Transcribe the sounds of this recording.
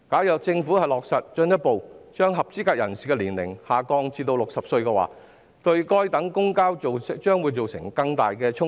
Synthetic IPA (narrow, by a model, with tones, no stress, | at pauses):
kaː˨˥wjɐ˨k̚t͡sɪ˧ŋfuː˨˥hɐ˨jlɔː˨k̚sɐ˨t̚t͡ʃɵ˧njɐ˥t̚po˨wt͡ʃœː˥ŋɦɐ˨p̚t͡siː˥kaː˧k̚jɐ̰˨˩nsiː˨kɛ˧liː˨˩nlɪ̰˨˩ŋhaː˨kɔː˧ŋt͡siː˧t̪o˧wlʊ˨k̚sɐ˨p̚sɵ˧ɥkɛː˧wa̰ː˨ | t̪ɵ˧ɥkɔː˥jt̪ɐ˨˥ŋkʊ˥ŋkaː˥wo˨t͡ʃœː˥ŋwuː˨˧jt͡so˨wsɪ̰˨˩ŋkɐ˧ŋt̪aː˨jkɛː˧t͡ʃʰʊ˥ŋ